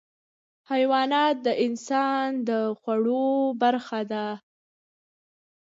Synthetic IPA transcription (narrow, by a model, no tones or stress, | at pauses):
hajwɑnɑt̪̚d̪əʔɪnsɑnd̪əxwaɽobaɾxad̪a